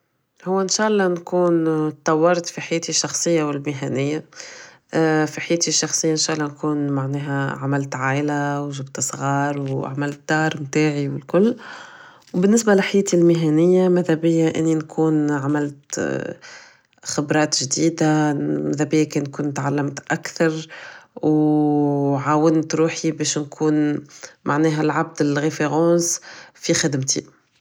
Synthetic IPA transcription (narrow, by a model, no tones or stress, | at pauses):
hʊwːɪnʃaːʔɑlˤːɑnkuːnt̪ˤːɑwːɑɾˤt̪fiħajæːt̪iʃːɑxsˤəjːawɪlmɪɦænɪjːa | fiħajæːt̪iʃːɑxsˤəjːaʔɪnʃaːʔlːɑnkuːnmaʕnɛːɦæʕamælt̪ʕaːʔlawʒʊbt̪sˤɣɑːɾˤwʕamælt̪̚d̪̥ɑːɾˤmt̪aːʕiwɪlkʊlː | wbɪnːɪsbalɪħajɛːt̪ilmɪɦænɪjːamæðæbɪjːaʔɪ̰nːinkʰuːnʕamælt̪ | xɪbɾˤɑːt̪ʒd̪iːd̪amæðæbɪjːakɛːnkʊnt̪ʕalːamt̪ʔækθɑɾˤw | ʕaːwɪnt̪ɾuːħibɛːʃnkʰuːnmʔaʕnɛːɦælʕab̚d̪ɪlɣefeɣɑ̃ːsfixɪd̪mt̪ḭ